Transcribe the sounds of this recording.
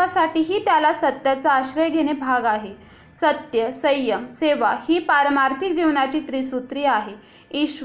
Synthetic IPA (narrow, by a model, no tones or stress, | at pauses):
asaʈiːɦiːt̪jalasət̪jat͡saːɕɾəjɡʱeɽ̃ebʱaɡaɦe | sət̪jəsəjːəmseʋahiːpaɾəmaɾt̪ʰik̚d͡ʑiʋnat͡ɕiːt̪ɾisut̪ɾiːaɦe | iɕ